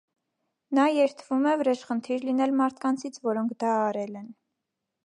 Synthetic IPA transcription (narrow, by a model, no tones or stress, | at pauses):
nɑjɛɾt̪ʰəvumɛvəɾɛʃχənt̪ʰiɾlinɛlmɑɾt̪ʰkɑnt͡sʰit͡sʰvɔɾɔŋkʰd̪ɑːɾɛlɛn